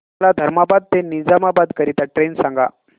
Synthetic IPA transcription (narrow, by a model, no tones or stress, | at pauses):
lad̪ʱəɾmabad̪̚t̪enid͡zamabad̪kəɾit̪aʈɾensãŋɡa